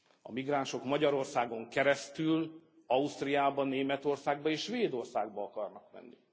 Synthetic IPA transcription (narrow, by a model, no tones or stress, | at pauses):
ɒ̰miɡraːnʃo̞kmɒɟɒɾo̞rsaːɡo̞ŋkɛɾɛst̪yl | ɒust̪rijaːbɒnːeːmɛt̪o̞rsaːɡ̚bɒeːʃʃʋeːd̪o̞rsaːɡbɒɒkɒrnɒkmɛ̰nːḭ